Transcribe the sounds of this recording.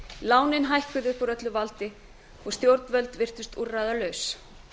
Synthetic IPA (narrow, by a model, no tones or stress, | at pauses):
laːwnɪnɦajhkʏðɪpʰɔɾœt̪lʏvalt̪ɪ | ɔɣst̪jowɾt̪nvœlt̪vɪr̥t̪ʏst̪urajðalœɥs